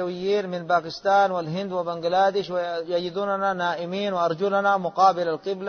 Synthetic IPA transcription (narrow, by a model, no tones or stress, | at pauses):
awɪjːiːnmɪnbaːkɪst̪aːnwalɦɪnd̪wɪbaŋɡlaːd̪ɪʃwjad͡ʒid̪uːnananaːʔɪmiːnwɪʔɑɾˤd͡ʒulanamʊqɑːbɪlalqɪbla